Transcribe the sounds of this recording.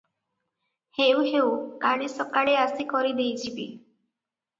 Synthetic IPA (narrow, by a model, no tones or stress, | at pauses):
heuɦewkaɽ̃esɔkaɽeasikɔɾid̪ejd͡ʒʰibi